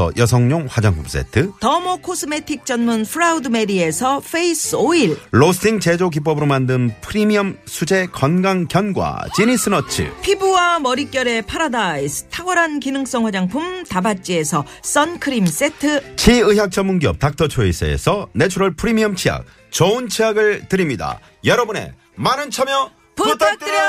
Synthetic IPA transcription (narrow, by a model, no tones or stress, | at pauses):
ʌ̰jʌsʰʌŋɲoŋɸwad͡ʑaŋpʰums͈ḛtʰɯtʌmokʰosʰɯme̞tʰik̚t͡ɕ͈ʌnmunpʰɾaudɯme̞die̞sʰʌfʰeisʰoiɭɭosiŋt͡ɕed͡ʑok̬ip͈ʌbɯɾomandɯnpʰɯɾimiʌmsʰud͡ʑe̞kʌnɡaŋkjʌnɡwa̰t͡ɕinis͈ʰɯnʌt͡ɕʰɯ̰pʰibuwamʌɾik͈jʌɾe̞pʰaɾadaisʰɯ̥tʰaɡʌɾankinɯŋs͈ʌŋwad͡ʑaŋpʰumtabat͡ɕ͈ie̞sʰʌ | s͈ʌnkʰɯɾims͈e̞tʰɯt͡ɕʰiɯɦjak̚t͡ɕ͈ʌmːuŋɡijʌ̰p̚tak̚t͈ʰʌt͡ɕʰoḭsʰḛḛsʰʌne̞t͡ɕʰuɾʌɭpʰɯɾimiʌmt͡ɕʰia̰k̚ | t͡ɕʌunt͡ɕʰiaɡɯɭtɯɾimɲida̰ | jʌɾʌbune̞̰ | manɯnt͡ɕʰʌmjʌ | puɯɾ